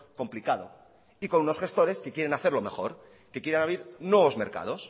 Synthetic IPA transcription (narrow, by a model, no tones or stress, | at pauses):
ko̞mplikaðo̰ | iko̞nuno̞sxe̞st̪o̞ɾe̞ske̞kje̞ɾe̞naθe̞ɾlo̞me̞xo̞ɾ | ke̞kjeɾanaβɾiɾnweβo̞zme̞ɾka̰ðos